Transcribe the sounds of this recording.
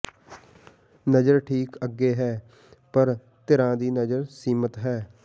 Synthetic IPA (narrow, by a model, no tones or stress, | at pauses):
nəd͡ʒəɾʈʰiːkəɡːeːɦɛː | pəɾ | t̪ɪɾãːd̪iːnəd͡ʒəɾsiːmət̪ɦɛː